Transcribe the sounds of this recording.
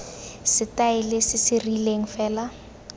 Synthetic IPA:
sɪtaɪlɪsɪsɪrileŋ̩fɛːla

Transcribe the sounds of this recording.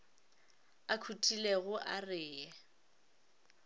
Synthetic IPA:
akʰutʼileɣʊʔarɪːɛ

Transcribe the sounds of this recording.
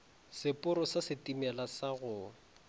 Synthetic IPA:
sɪpʼʊɾɔsasɪtimɛlasaɣʊ

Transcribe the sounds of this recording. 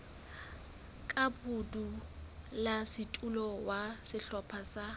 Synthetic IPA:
kʼabudu | lasɪtʼulɔwasɪɬɔpʰasa

